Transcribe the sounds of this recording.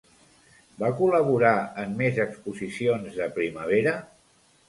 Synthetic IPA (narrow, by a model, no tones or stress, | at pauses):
bakuləβ̞uɾaəmːezəkspuzisionzðəpɾiməβ̞eɾə